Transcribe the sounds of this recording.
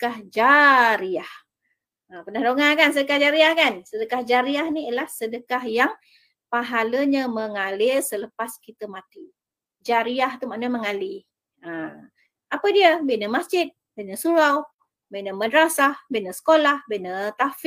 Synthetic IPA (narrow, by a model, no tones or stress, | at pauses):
kahd͡ʒaɾiah | əpərnahdoŋakans̬ədəkahd͡ʒaɾiahkansədəkahd͡ʒaɾiahniəlahsədəkahjaŋ | paɦaləɲəməŋalɪlsələpaskit̪əmat̪i | d͡ʒaɾiaht̪umaʔnəməŋali | ə | apədiəbeʔnəmasd͡ʒɪt̪̚ | beʔnəsuɾaw | beʔnəmədəɾasahbeʔnəsə̥kolahbenət̪af